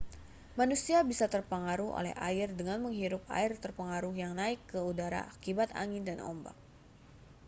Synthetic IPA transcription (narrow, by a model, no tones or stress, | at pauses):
manusiabisat̪ərpəŋaɾuho̰lɛ̰ha̰ɪrdəŋanməŋɦiɾʊp̚a̰ɪrt̪ərpəŋaɾuhjaŋnaɪkːəudaɾa̰akibat̪a̰ŋɪndanɔ̰mba̰k̚